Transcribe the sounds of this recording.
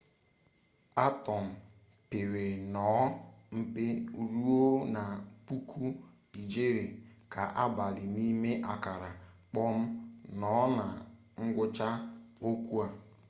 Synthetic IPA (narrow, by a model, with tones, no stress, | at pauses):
a˦tɔ˨m̩˨ | pɪ˨ɾe˨nɔ˨˦m̩˦pɪ˦ɾu˦o˦na˨pu˦kʰu˦ | i˨d͡ʒe˦ɾe˨ka˨ʔa˦ba˨lɪ˨ni˦me˦ʔa˨ka˨ɾa˨ | k͡pɔ˦m̩˦nɔ˨˦na˨ | ŋ̩˦ɡʷʊ˦t͡ʃa˦o˦kʷu˦a˨